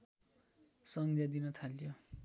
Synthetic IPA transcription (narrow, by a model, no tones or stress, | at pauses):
sʌŋd̪ʱjad̪inʌt̪ʰaljo